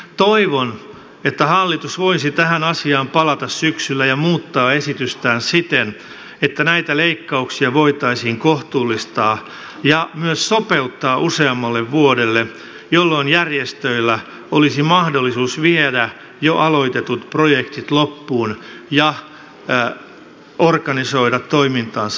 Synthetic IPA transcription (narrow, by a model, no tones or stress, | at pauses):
t̪oiʋon | et̪ːæhɑlːit̪usʋoisit̪æhænɑsiɑːmpɑlɑt̪ɑssyksylːæjɑmuːt̪ːɑːesit̪yst̪æːnsit̪en | et̪ːænæit̪æleikːɑuksiɑʋoit̪ɑisiːŋkoht̪uːlːist̪ɑː | jɑmyøssopeut̪ːɑːʔuseɑmːɑlːeʋʋuodelːe | jolːo̞injærjest̪øilːæ | olisimɑhdolːisuːsʋiedæ | joʔɑloit̪et̪ut̪projekt̪it̪lopːuːnjɑ | orkɑnisoidɑt̪ːoimint̪ɑːns